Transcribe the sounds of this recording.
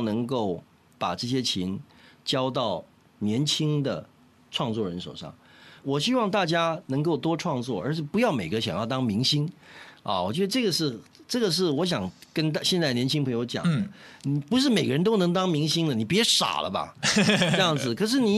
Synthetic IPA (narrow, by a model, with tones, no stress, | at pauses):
nɤ˧˥ŋko˥˩ʊ | pa˨˩ʈ͡ʂɤ˥˩ɕ̬jɛ˥t͡ɕʰi˧˥nt͡ɕjɑ˥ʊt̪ɑ˥˩ʊ | njɛ˧˥nt͡ɕʰi˥ŋd̪ə̰˨ | ʈ͡ʂʰwɑ˥˧ŋt͡swɔ˥˩ɻə˧˥nʂo̰˨˩ʊʂɑ̰˥˩ŋwɔ˨˩ɕi˥wɑ˥˧ŋt̪a˥˩t͡ɕja˥nɤ˧˥ŋko˥˩ʊt̪wɔ˥ʈ͡ʂʰwɑ˥˧ŋt͡swɔ̰˥˩ə˞˧˥ɕʰɛ˥˩pu˧˥jɑ˥˩ʊme˨˩ɪɡə˦˥ɕjɑ̰˨˩ŋjɑ˥˩ʊt̪ɑ˥ŋmi˧˥ŋɕi˥nɐ̰˧˨wɔ˨˩t͡ɕɥɛ˧˥d̪ə˧ʈ͡ʂɤ˥˩ɡə˩ʂɻ̩˥˩ʈ͡ʂɤ˥˩ɡə˩ʂ̬ɻ̩˥˩wɔ˧˥ɕ̬jɑ˨˩ŋkə˥n˥˧ɕjɛ˥˧nt͡sa˥˩ɪnjɛ˧˥nt͡ɕʰi˥ŋpʰɤ˧˥ŋjo˧˥ʊt͡ɕjɑ̰˨˩d̪ə˦ni˨˩pu˧˥ʂ̬ɻ̩˥˩me˨˩ɪɡə˦ɻə˧˥nt̪o˥ʊnɤ˧˥ŋt̪ɑ˥ŋmi˧˥ŋɕi˥ŋlə˨ni˨˩pjɛ˧˥ʂa̰˨˩lʔə̰˦ba̰˧˥˧ | jɑ˥˩ŋd͡zd͡zɹ̩˩kʰɤ˨˩ʂ̬ɻ̩˥˩ni˨˩